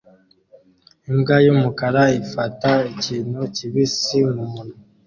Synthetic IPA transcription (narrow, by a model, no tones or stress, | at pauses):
imɡajumukaɾaifataiciːn̥huciβisimumunu